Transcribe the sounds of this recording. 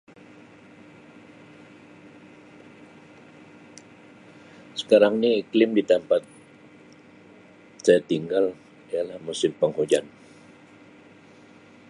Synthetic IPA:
sə̥kaɾaŋniːklɪmdit̪ampat̪̚ | sajat̪iŋɡal | ijalahmusɪmpəŋhod͡ʒan

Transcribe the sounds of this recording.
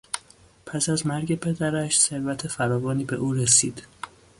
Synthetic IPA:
pʰæsæzmæɾɟe̞pʰe̞d̪æɾæʃse̞ɾvæt̪ʰe̞fæɾɒːvɒːniːbe̞̰ʔuːɾesiːd̪̥

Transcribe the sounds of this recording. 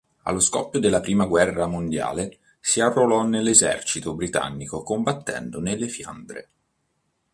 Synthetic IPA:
a̰lːoskɔ̰pːjod̪elːapɾiːmaɡwɛrːamond̪ja̰ːle | siarːolɔnelːezɛ̰rt͡ʃit̪obɾit̪a̰nːikokombat̪ːɛ̰nd̪onelːefja̰nd̪ɾḛ

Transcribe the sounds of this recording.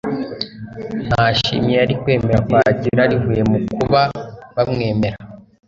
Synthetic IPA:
n̥haʃḭmjeaɾikwe̞ːmeɾakwaɟiɾaɾivuːje̞mukʰuβaβamŋe̞ːme̞ɾa

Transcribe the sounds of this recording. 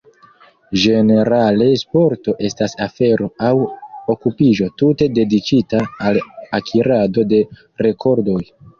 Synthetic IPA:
ʒe̞ne̞ɾale̞spo̞ɾto̞ʔe̞stasafe̞ɾo̞awokupiʒo̞tute̞de̞dikitaːlakʰiɾado̞de̞ | ɾe̞kʰo̞ɾdo̞j

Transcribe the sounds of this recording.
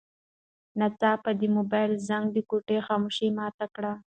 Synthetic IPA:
nat͡sɑpad̪əmobɑjlzaŋɡd̪əkoʈexɑmoʃimɑt̪akɽa

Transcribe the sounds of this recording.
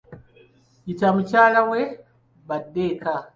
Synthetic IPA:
itamucaːlawe | βadːeka

